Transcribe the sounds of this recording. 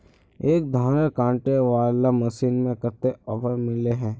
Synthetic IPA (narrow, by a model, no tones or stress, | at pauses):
eːk̚d̪ʱaːnəɾkãːɳʈeʋaːlaməsiːnmẽkɐt̪eɔːfəɾmɪleɦɛ̃ː